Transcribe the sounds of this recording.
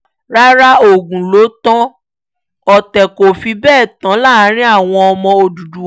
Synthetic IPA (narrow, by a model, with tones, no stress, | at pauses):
ɾa˦ɾa˦o˨ɡũ˨lo˨˦tã˦ | ɔ˨tɛ˨ko˨fi˧bɛː˦˨tã˨˦la˦˨˦ɾ̃ĩ˦a˦˨w̃ɔ̃˧ɔ˧mɔ̃˧o˧du˨du˨˦